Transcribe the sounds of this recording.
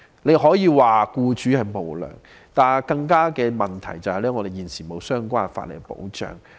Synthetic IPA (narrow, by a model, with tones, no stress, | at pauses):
le˨˧jɦɔː˨˥jiː˨˧waː˨kuː˧t͡ʃy˨˥hɐ˨jmo˨wlœ̰ː˨˩ŋ | t̪aː˨˩kɐ˧ŋkaː˥kɛː˧mɐ˨˩nt̪ʰɐ˨˩jt͡sɐ˨whɐ˨jlɛː˥ŋɔ˨˧d̪e˨jiː˨nsiː˨˩mo˨˧wsœː˥ŋkʷaː˥˩˨fa̰ː˧t̚lḛ˨˩ɡpo̰˨˥wt͡ʃœ̰ː˨ŋ